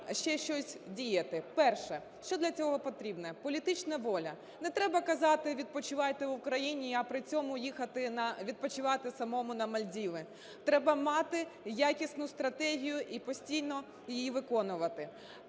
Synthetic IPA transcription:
ʃt͡ʃɛʃt͡ʃɔsʲdʲijɐt̪ɪpɛrʃɛ | ʃt͡ʃɔd̪lʲɐt͡sʲɔɦɔpɔt̪ɾʲibnɛpɔlʲit̪ɪt͡ʃnɐʋɔlʲɐ | nɛt̪ɾɛbɐkɐzɑt̪ɪʋʲid̪̚pɔt͡ʃɪʋɑjt̪ɪʋʊkɾɐjinʲiɐpɾɪt͡sʲɔmʊjixɐt̪ɪnɐʋʲid̪̚pɔt͡ʃɪʋɑt̪ɪsɐmɔmʊnɐmɐlʲdʲiʋɪ | t̪ɾɛbɐmɑt̪ɪjakʲisnʊst̪ɾɐt̪ɛɦʲijʊʔipɔsʲtʲijnɔ | jɪjiʋɪkɔnʊʋɐt̪ɪ

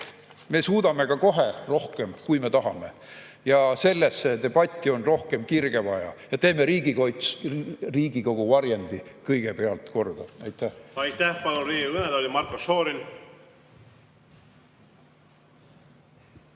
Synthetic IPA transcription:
me̞suːd̪̥ɑme̞kɑko̞ɦe̞ro̞hke̞mkujme̞t̪ɑɦɑme̞ | jɑse̞lːesːet̪e̞b̥ɑt̪ʲˑːio̞nro̞hke̞mkirɡ̥e̞vɑjɑ̰jɑt̪e̞ːme̞ɾiːɡ̥ikojt̪sriːɡ̥iko̞ɡ̥uvɑɾjɑnʲd̪̥ikɤjɡ̥e̞pe̞ɑlt̪ko̞rd̪̥ɑɑjt̪ːˑæhɑjt̪ːæhpɑlunriːɡiɯned̪olʲimɑrkoso̞ːɾin

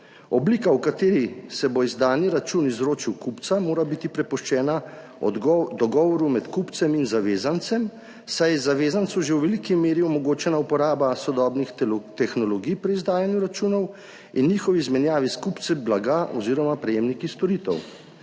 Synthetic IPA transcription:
ɔbliːkawkat̪eːɾisɛboizd̪aːniɾat͡ʃuːnizɾoːt͡ʃiwkupt̪samoːɾabit̪ipɾɛpɔʃt͡ʃɛːna | ɔd̪ɔɡɔːʋɔɾumɛt̪kupt̪sɛminzaʋeːzant̪sɛm | sajzaʋeːzant̪suʒewʋɛlikimeːɾiɔmɔɡoːt͡ʃɛnaupɔɾaːbasɔd̪ɔːbnixt̪ɛxnɔlɔɡijpɾiizd̪aːjanjuɾat͡ʃuːnɔw | inːiːxɔʋizmɛnjaːʋiskupt̪sɛblaɡaʔɔ̰ziːɾɔmapɾɛjeːmnikist̪ɔɾiːt̪ɛ̰w

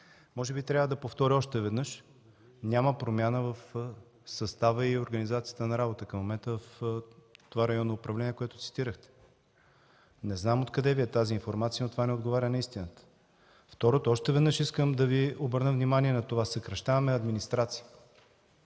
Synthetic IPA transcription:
mɔʒɛbit̪ɾʲavəd̪ɐpoft̪ɔɾʲiɔʃt̪ɛvɛd̪nɤəʃ | nʲaməpɾomʲjanəvəf | sɐst̪avəioɾɡənizat̪sijət̪ənɐɾabot̪əkɐmːomɛnt̪əvəf | t̪ovaɾɐjɔnːoːpɾɐvlɛniɛkoɛt̪ʊt̪si̥t̪iɾəxt̪ɛ̥ | nɛznamot̪kɐd̪ɛviɛt̪aziːnfoɾmat̪sijənot̪ovanɛod̪ɡovaɾʲənɐist̪inət̪ə̥ | ft̪ɔɾot̪ɔʃt̪ɛvɛd̪nɤʃiskəmd̪ɐviobəɾnəvnimaniɛnɐt̪ovasəkɾɐʃt̪avɐmɛɐd̪minist̪ɾat̪sijə

